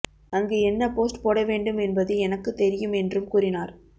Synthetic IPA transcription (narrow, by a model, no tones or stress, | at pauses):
ɐŋɡeːɛnːɐpoːsʈpoːɽɐʋeːɳɖɯmɛnbɐðɯɛnɐkːɯt̪ːɛɾɪjɯmɛndrɯmkuːrɪnaːɾ